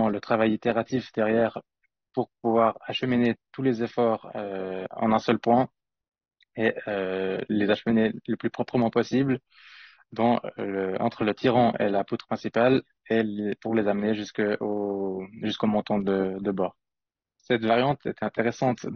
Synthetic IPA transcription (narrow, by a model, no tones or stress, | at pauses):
ɑ̃lət̪χavajit̪eʁat̪ifd̪ɛʁjɛːʁ | puʁpuvwaʁaʃəminet̪ulezefɔːʁøɑ̰̃nɛ̃sœlpwɛ̃ | eølezaʃəmineləplypχɔpχəmɑ̃pɔsibl | d̪ɑ̃ləɑ̰̃t̪χələt̪ʰiʁɑ̃ʔḛlaput̪χəpχɛ̃sipal | elepuʁlezamneʒyskoʒyskomɔ̃t̪ɑ̃d̪əd̪əbɔːʁ | sɛt̪vaʁjɑ̃t̪ʰɛt̪ɛ̃t̪eʁɛsɑ̃t̪